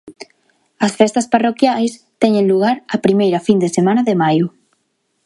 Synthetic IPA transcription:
ɐsfɛst̪ɐsparokjajst̪ɛɲẽnluɣ̞aɾɐpɾimejɾɐfind̪esemãnɐðemajʊ

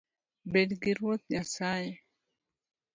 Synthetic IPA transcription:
bedɡiɾwot̪̚ɲasaje

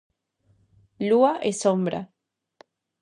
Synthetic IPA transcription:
luaʔesombɾa̰

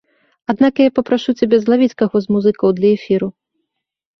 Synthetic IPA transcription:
ad̪nakjapɐpɾaʂut͡sʲabʲɛzlˠavʲit͡sʲkaɣɔzmuzɨkɐwd̪lʲɐɛfʲiɾu

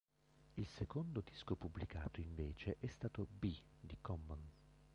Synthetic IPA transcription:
ilsekond̪od̪iskopublika̰ːt̪oiɱveːt͡ʃeʔɛst̪aːt̪obid̪ikɔmːan

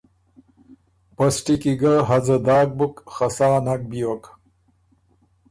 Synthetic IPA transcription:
pɐsʈikiɡɐɦɐd͡zɐd̪aːk̚bukχɐsaːnak̚bijok

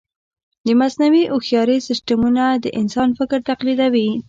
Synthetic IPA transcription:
d̪əmasnawiʔʊxjɑɾesɪsʈamunad̪əʔɪnsɑnfɪkɾt̪aqlid̪awi

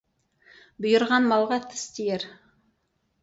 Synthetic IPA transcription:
bɵ̆jə̆ɾʁɑnmɑlˠʁɑt̪ʰə̥st̪ijeɾ

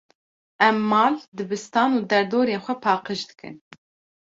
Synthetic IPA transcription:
ɛmːɑːld̪ɨbɨst̪ɑːnuːd̪ɛɾd̪oːɾeːnxʷɛpʰɑːqɨʒd̪ɨ̥kʰɨ̰n

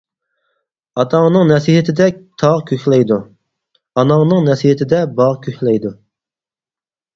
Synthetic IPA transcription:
ɑt̪ʰɑŋnɨŋnɛsiɦɪt̪ʰɪd̪ɛt̪ʰɑʁkʲʰøxlɛjd̪u | ɑnɑŋnɨŋnɛsihɪt̪ʰɪd̪ɛbɑʁkʲʰøhʲlɛjd̪u

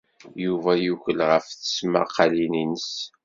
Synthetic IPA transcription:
juvæjuʝʷəlʁəfθə̥sma̰qʰːɑlininəs

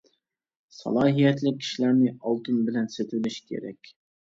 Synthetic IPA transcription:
sɑ̰lˠɑːɦijɛt̪lɪk̚ʲʰːi̥ʃlæɾnɪɑlˠt̪ʰɨnbɪlɛnset̪ʰɪlɪʃkʲʰḛɾɛ̰kʲ

